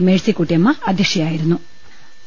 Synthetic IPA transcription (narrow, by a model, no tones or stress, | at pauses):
meːɭsikuʈːijɐmːɐɐd̪ʱekʂɐjaːjiɾunːu